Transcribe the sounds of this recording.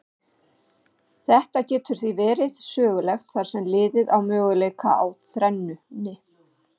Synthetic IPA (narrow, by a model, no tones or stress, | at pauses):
θɛht̪acɛːt̪ʏɾ̥θivɛːɾɪðsœːɣʏlɛxt̪θaɾ̥sɛmlɪːðɪðawmœːɣʏleːjka̰a̰wθɾɛnːʏnɪ